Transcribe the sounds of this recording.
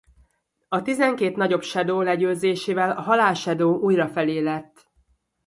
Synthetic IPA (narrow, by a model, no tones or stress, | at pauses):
ɒt̪izɛŋkeːt̪nɒɟo̞pʃɛd̪oːlɛɟøːzeːʃeːvɛlɒɦɒlaːʃɛd̪oːʔuːjrɒfɛleːlɛt̪ː